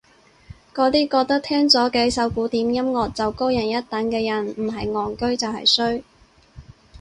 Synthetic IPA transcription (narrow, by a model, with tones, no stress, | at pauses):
kɔː˨˥t̪iː˥kɔː˧k̚t̪ɐ˥k̚t̪ʰɛː˥ŋt͡sɔː˨˥kɛː˧˥sɐ˨˥wkuː˨˥t̪iː˨˥mjɐ˥mŋɔː˨k̚t͡sɐ˨wko˥wjɐ˨˩njɐ˥t̚t̪ɐ˨˥nkɛː˧jɐ˨˩nm̩˨˩ɦɐ˨jŋɔː˨˩ŋkɵ˥ɥt͡sɐ˨whɐ̰˨˩jsɵ˥ɥ